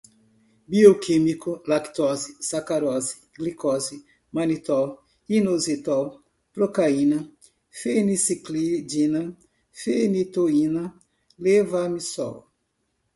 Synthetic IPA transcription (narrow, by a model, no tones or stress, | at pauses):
biokʰimikʊlakt̪ɔzisakaɾɔzi̥ɡ̥likɔzi | mãnit̪ɔw | inozit̪ɔw | pɾokainɐ | fenisiklid͡ʒinɐ | fenit̪oinɐ | levamisɔ̰w